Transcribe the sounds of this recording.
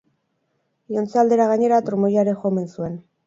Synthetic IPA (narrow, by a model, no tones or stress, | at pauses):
iont͡sald̪e̞ɾaɣaɲe̞ɾat̪ɾumojaɾexo̞me̞nsue̞n